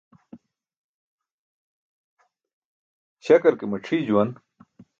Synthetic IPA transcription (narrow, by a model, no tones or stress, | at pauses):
ɕɐkɐɾkemɐʈ͡ʂʰid͡ʑuwɐn